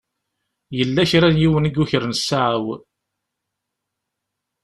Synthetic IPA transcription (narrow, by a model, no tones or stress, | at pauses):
jəlːæçɾænjiwəniɡuçəɾənsːaʕaw